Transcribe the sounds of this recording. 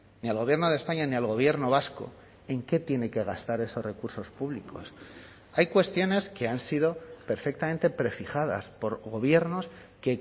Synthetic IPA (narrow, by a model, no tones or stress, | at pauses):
nialɣo̞βjeɾno̞ðespaɲanialɣ̞o̞β̞je̞ɾno̞β̞asko̞̰ | e̞ŋke̞t̪je̞ne̞ke̞ɣ̞ast̪aɾe̞so̞sre̞kuɾso̞spuβliko̞̰s | ajkwe̞st̪jo̞ne̞ske̞ansið̞o̞pe̞ɾfek̚t̪ament̪e̞pɾe̞fixaða̰spo̞ɾɣo̞βje̞ɾno̞s | ke̞